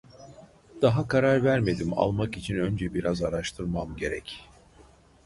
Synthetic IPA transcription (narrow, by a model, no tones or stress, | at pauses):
d̪̥aɦakʰaɾaɾvæɾme̞d̪ima̰lˠmakit͡ʃʰinø̞nd͡ʒɛbiɾazaɾaʃt̪ʰɯɾmamɟe̞ɾɛc